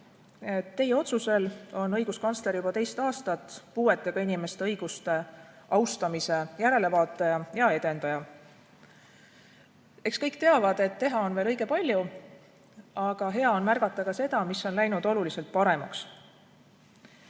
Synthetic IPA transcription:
e̞t̪ːe̞jeo̞t̪suse̞lo̞nɤjɡ̥uskɑnst̪le̞ɾjubɑt̪e̞jst̪ɑːst̪ɑt̪ːˑpuːe̞t̪ːˑe̞ɡ̥ɑinʲime̞st̪e̞ɤjɡ̥ust̪e̞ | ɑwst̪ɑmise̞jæɾe̞le̞vɑːt̪ːˑejɑjɑe̞d̪̥e̞nd̪̥ɑjɑ | e̞kskɤjkt̪eɑvɑd̪e̞t̪ːe̞ɦɑo̞nveːlɤjɡ̥e̞pɑlʲju | ɑɡ̥ɑɦe̞ɑo̞nmærɡ̥ɑt̪ːˑɑkɑse̞d̪̥ɑmisːo̞nlæjnud̪̥o̞lulise̞lt̪̚pɑɾe̞mɑks

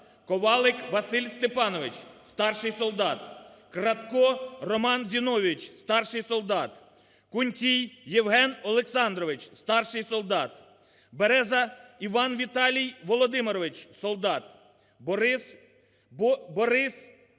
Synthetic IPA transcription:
kɔʋɑlˠɪkʋɐsɪlʲst̪epɑnɔʋɪt͡ʃst̪ɑrʃɪjsɔlˠd̪ɑt̪kɾɐt̪kɔrɔmɑnzʲinɔʋʲit͡ʃst̪ɑrʃɪjsɔlˠd̪ɑt̪ | kʊnʲtʲijːeʋɦɛnɔlˠeksɑnd̪ɾɔʋɪt͡ʃst̪ɑrʃɪjsɔlˠd̪ɑt̪ | beɾɛzɐiʋɑnʋʲit̪ɑlʲijʋɔlˠɔd̪ɪmeɾɔʋɪt͡ʃsɔlˠd̪ɑt̪ | bɔɾɪs

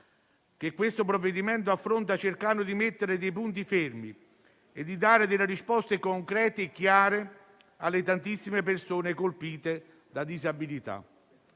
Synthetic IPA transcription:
k̟ekːwest̪opɾovːed̪imɛnt̪̬oʊafːɾont̪̬at͡ʃerkanʊd̪imet̪ːeɾɪd̪ejp̬unt̪̬ifermi | ed̪ːid̪aːɾed̪elːeɾispɔst̪ekoŋkɾɛːt̪eːkːjaːɾe | alːɪt̪ant̪isːimepersoːnekolpiːt̪e | d̪ad̪izabilit̪a̰

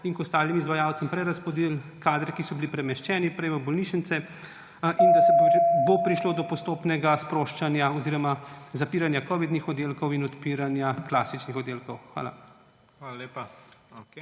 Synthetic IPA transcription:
iŋkɔst̪aːlimizʋajawt̪sɛmpɾɛɾaspɔd̪ilkaːd̪ɾɛkisɔbilipɾɛmɛʃt͡ʃɛːnipɾɛjʋəbɔlniːʃənt̪sɛ | ʔind̪asɛbbopɾiʃloːd̪ɔpɔst̪oːpnɛɡaspɾoːʃt͡ʃanjaɔziːɾɔmazapiːɾanjakɔʋid̪nixɔd̪eːlkɔwinɔt̪piːɾanjakla̰sit͡ʃnixɔd̪eːlkɔwxʋa̰ːla̰ | xallepa

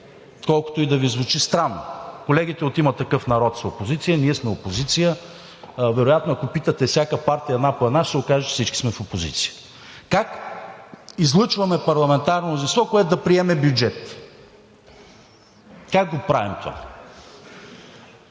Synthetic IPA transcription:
kɔlˠkʊ̥t̪oid̪ɐvizvʊt͡ʃist̪ɾanːo̰kolɛɡ̟ʲit̪ɛot̪imɐt̪ːɐkɤfnɐɾɔt̪zɐopozit̪sijəniɛsmɛopozit̪sijə | vɛɾojat̪noɐkopit̪ət̪ɛfsʲjakəpaɾt̪iəɛd̪napoɛd̪naʃt̪sɛokaʒɛt͡ʃɛ̥sit͡ʃki̥smɛfopozḭt̪si̥jə̥ | kak | izlˠɤt͡ʃvɐmɛpɐɾlˠɐmɛnt̪aɾnomnɾʊzinst̪vɔkoɛt̪ʊd̪ɐpɾiɛmɛbjud͡ʒɛt̪ | kak̚ɡopɾavimt̪ova̰

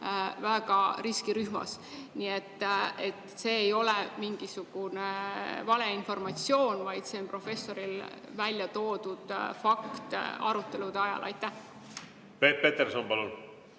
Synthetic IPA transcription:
væɡ̥ɑɾiskiɾyhmɑ̰s | niːe̞t̪ːe̞t̪ˑse̞ːjo̞lemiŋɡ̥isuɡ̥unevɑle̞info̞rmɑt̪sio̞ːnvɑjd̪̥se̞onpro̞fe̞sːo̞ɾil | vælʲjɑt̪o̞ːd̪ud̪̥fɑkt̪ɑ̰ɾut̪ˑːe̞lud̪̥eɑjɑ̰lʔɑ̰jt̪ːæh | pet̚pet̪eɾsonpɑlun

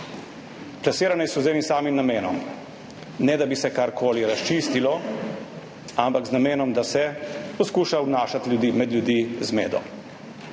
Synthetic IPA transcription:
plasiːɾanɛsɔzeːnisaːmimnameːnɔ̰m | nɛd̪abisɛkaɾkʰoːliɾast͡ʃist̪ilɔ | ampakznameːnɔmd̪asɛpɔskuːʃawnaːʃat̪lʲjud̪imɛd̪ljud̪izmeːd̪ɔ̰

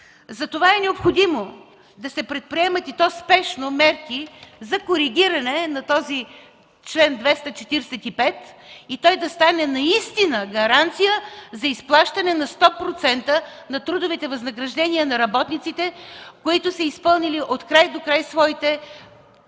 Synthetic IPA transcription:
zɐt̪ovaɛnɛopxod̪imo | d̪ɐsɛpɾɛt̪̚pɾiɛmət̪it̪ɔspɛʃnomɛɾkizɐkoɾiɡ̟ʲiɾɐnɛnɐt̪ɔzi | t͡ʃlɛnd̪vɛst̪ɐt͡ʃɛt̪iɾsɛt̪ipɛt̪it̪ɔjd̪ɐst̪anɛnɐist̪inəɡɐɾant̪sijəzɐisplˠaʃt̪ɐnɛnɐst̪ɔpɾot̪sɛnt̪ənɐt̪ɾud̪ovit̪ɛvɐznɐɡɾɐʒd̪ɛniənɐɾɐbɔt̪nit̪sit̪ɛkoit̪ʊsɐispɤlˠniliʔot̪kɾajd̪okɾajsvɔit̪ɛ

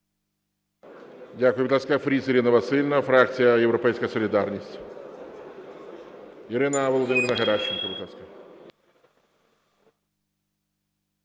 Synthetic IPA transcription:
dʲakʊjʊbʲɪt̪ˠasʲkɐfɾʲisiɾʲɪnɐʋɐsɪlʲnɐfɾakt̪t͡s̪ʲɨjɐjɛwɾɔpɛjsʲkɐjsɔlʲɪd̪arnʲisʲtʲ | iɾɪnɐʋɔlˠɔd̪ɪmʲɪɾʲnɐɣɐɾat͡ʃːɪnkɐbɪt̪lˠasʲkɐ

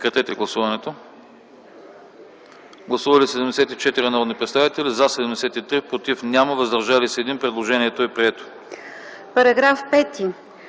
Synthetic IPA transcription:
kɾɛt̪ɛt̪ɛɡlˠɐsuvɐnɛt̪o | ɡlˠɐsuvɐlisɛd̪ɛmd̪ɛsɛt̪it͡ʃɛt̪iɾinaɾɔd̪nipɾɛt̪st̪avit̪ɛlizasɛd̪ɛmd̪ɛsɛt̪it̪ɾipɾot̪ifnʲjamɐvəzd̪ɐɾʒalisɛːd̪inpɾɛd̪lˠoʒɛniɛt̪oɛpɾiɛt̪o̥ | pɐɾɐɡɾafpɛt̪i

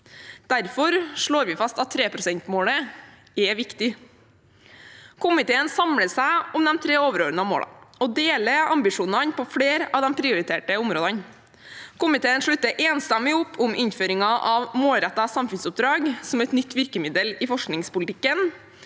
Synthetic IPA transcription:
d̪̥æɾfɔɾʂɭoːɾʋɪfɑst̪ɑt̪ʰːɾeːpɾʊsɛnt̪moːɽə | ɛʋɪkt̪ɪ | kʰʊmɪt̪ʰeːənsɑmɽəsæɪʊmd̪ɛmt̪ʰɾeːoːʋəɾoːɾnɑmo̰ːɽɑ̰ɔd̪eːləɑmbɪʂuːnɑnpʰɔfɽeːɾɑːʋd̪ɛmpʰɾɪʊɾɪt̪ʰeːʈəʊmɾoːd̪ɑn | kʊmɪt̪ʰeːənʂɭʉt̪ːəɾʔeːnst̪ɑmɪʊpːʰʊmʔɪnføːɾɪŋɑʔɑʋmoːlɾɛt̪ːɑsɑmfʉnsʊp̚d̪ɾɑːɡsɔmɛt̪nʏt̪ːʋɪɾkəmɪd̪əlɪfɔʂknɪŋspʊlt̪ʰɪkːən

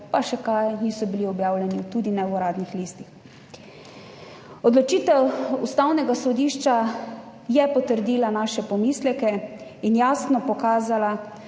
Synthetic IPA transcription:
paʃɛkajniːsɔbiliɔbjaːwlʲjɛnit̪uːd̪inɛɔɾaːd̪nixliːst̪ix | ɔd̪lɔt͡ʃiːt̪ɛwust̪awnɛɡasɔd̪iːʃt͡ʃa | jɛpɔt̪əɾd̪iːlanaːʃɛpɔmiːslɛkɛinjaːsnɔpɔkaːzala

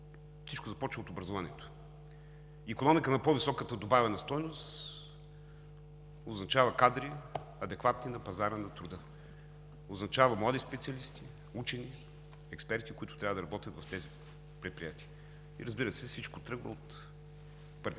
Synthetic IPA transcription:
fsit͡ʃkozɐpɔt͡ʃvot̪obɾɐzovanḭɛt̪o̥ | ikonɔmikənɐpovisɔkət̪əd̪obavɛnɐst̪ɔjnost̪ | oznɐt͡ʃavɐkad̪ɾi | ɐd̪ɛkvat̪ninɐpɐzaɾənɐt̪ɾud̪ə | oznɐt͡ʃavəmlˠad̪ispɛt̪siɐlist̪i | ut͡ʃɛni | ɛkspɛɾt̪ikʊit̪ʊ̥t̪ɾʲavəd̪ɐɾɐbɔt̪ʲjət̪vɐft̪ɛzi | pɾɛt̪̚pɾijat̪iə | ḭɾɐzbiɾəsɛfsit͡ʃkot̪ɾɤɡvə̰ot̪ | pɤɾv

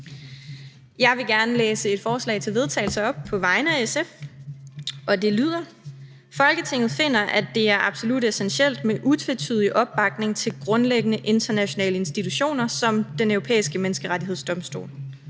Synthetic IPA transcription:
jɑ̈ɪʋe̝ɡ̥æɐnəleːsəe̝d̥fɒːslɛ̰ɪt͡sʰe̝lʋe̝ð̞ˠt͡sʰɛ̰ɪl̩sɐɒ̽b̥̚pʰɒ̽ʋɑ̈ɪnəæesef | ʔɒ̽d̥e̝lyð̞̰ˠɐ | fɒ̽lɡ̥ət͡sʰe̝ŋ̰ð̩ˠfe̝n̰ɐʔæd̥e̝æɐʔɑ̈b̥so̝lud̥esenɕel̰d̥meʔut͡sʰʋet͡sʰyðˠiʔɒ̽b̥ːɑ̈ɡ̥̚ne̝ŋt͡sʰe̝lɡ̥ʁɔ̽nleɡ̥ənəʔe̝nd̥ɐnæɕo̝nɛ̰ːləe̝nsd̥it͡sʰuɕo̝̰ːnɐsɒ̽md̥enœʊʁo̝pʰḛːisɡ̥əmenəsɡ̥əʁaɾie̝ð̞̰ˠsd̥ɒ̽msd̥o̝̰ːl

